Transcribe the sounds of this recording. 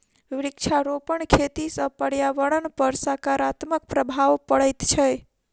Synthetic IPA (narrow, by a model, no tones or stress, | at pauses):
ʋɾikt͡ʃʰaɾopəɳkʰet̪isə̃pəɽjaʋəɽənpəɾsakaɾat̪mək̚pɾəbʱaʋpəɽəjt̪t͡ʃʰɛ